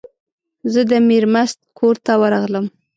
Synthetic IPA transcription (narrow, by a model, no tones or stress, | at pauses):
zəd̪əmiɾmast̪̚kʰoɾt̪awəɾaɣləm